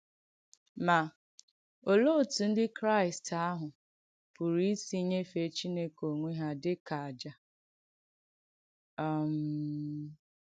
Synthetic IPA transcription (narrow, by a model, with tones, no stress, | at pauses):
ma˨ | o˨lo˦˨tu˨n̩˦dɪ˦kɾa˦ɪ˨sta˦ɦʊ˨ | pʊ˨ɾi˦si˦ɲe˦fe˨t͡ʃi˦ne˦ko˨ŋʷe˦ɦa˦dɪ˦ka˨a˨d͡ʒa˦˨ | m̩